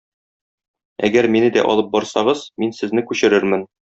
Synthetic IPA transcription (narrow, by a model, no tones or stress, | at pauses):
æɡæɾminɘd̪æ̰ʔɒ̰lˠɤp̚bɒɾsɑʁɤzminsɘ̆znɘkʉɕɘ̆ɾɘɾmɘn